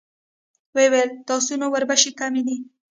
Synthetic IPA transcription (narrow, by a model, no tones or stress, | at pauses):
wewelt̪ɑsunowaɾbaʃekamid̪i